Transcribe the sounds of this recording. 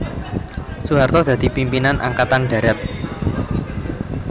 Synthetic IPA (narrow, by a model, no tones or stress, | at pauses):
suɦart̪ɔd̪̥ä̤d̪̥i̤pimpinanʔa̰ŋkat̪anɖ̥ä̤ɾɛt̪̚